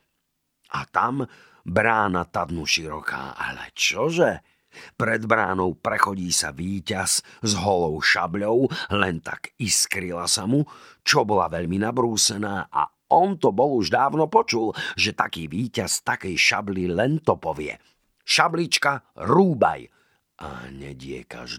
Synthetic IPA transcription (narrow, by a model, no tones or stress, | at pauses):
ʔat̪am | bɾaːnat̪ad̪nuʃiɾɔ̰kʰa̰ːa̰lɛ̰t͡ʃɔʒɛ | pɾɛd̪bɾaːnɔʊpɾɛxɔɟiːsa̰ʋiːcazzɦɔlɔʊʃa̰bʎɔʊlɛnt̪a̰kiskɾilasamu | t͡ʃɔbɔlaʋɛʎminabɾuːsɛnaːʔa̰ | ɔnt̪ɔbɔluʒd̪aːʊnɔpɔt͡ʃulʒɛt̪akiːʋiːcast̪akɛjʃa̰blilɛnt̪ɔpɔʋɪɛ̰ | ʃablit͡ʃkaɾuːba̰j | ʔa̰ɲɛ̰ɟɪɛ̰ka̰ʒ